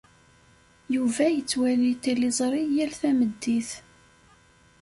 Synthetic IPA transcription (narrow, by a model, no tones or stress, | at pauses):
juvæjət͡sːwælit̪ːilizˤɾˤijælθæməd̪ːiθ